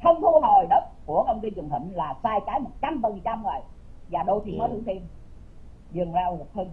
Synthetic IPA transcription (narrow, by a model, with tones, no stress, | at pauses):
t̪ʰə˧wŋ͡mt̪ʰu˧ɦo˨˩jɗə˨˦˥t̚ku˧˩əkə˧wŋ͡mt̪i˧kɨ˨˩əŋh̪ḭ˧˨ŋ̟laː˨˩saː˧jkaː˨˩˦jmo˨˩t̚t͡ɕa˧mɓəː˨˩ŋ˨˩t͡ɕa˧mŋwaː˨˩j | vaː˨˩ɗo˧jt̪ʰi˨˩mɔː˨˦jt̪ʰɨ˧˨˦t̪i˧n | zɨ˨˩əŋzaː˧wlə˨˩həː˧n